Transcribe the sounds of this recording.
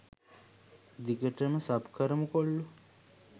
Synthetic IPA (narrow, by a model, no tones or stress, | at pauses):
d̪ikəʈəməsɐbkʰɐɾəmukoɭːu